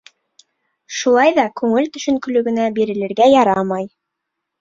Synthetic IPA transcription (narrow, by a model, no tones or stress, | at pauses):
ʃulˠɑjðɑkʉŋɘlt̪ɵ̆ʃɵ̆ŋkɵ̆lɵ̆ɡɘ̆næbiɾɘ̆lɘ̆ɾɡæjɑɾɑmɑj